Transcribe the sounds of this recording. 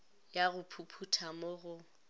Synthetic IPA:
jaɣʊpʰupʰutʰamoɣʊ

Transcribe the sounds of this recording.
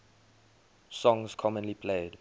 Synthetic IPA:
sɔ̃ŋzkʰɔmə̃nlipʰleɪd

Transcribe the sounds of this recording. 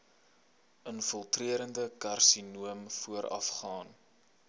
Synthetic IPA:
ənfəlˠtriəɾəndəkɐrsinuəmfuəɾɐ̰fχɑːn

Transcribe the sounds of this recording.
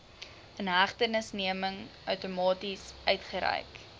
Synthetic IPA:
ənɦæχtənəsniəməŋʔœwtumɑːtisœɥtχəɾɛ̰jk

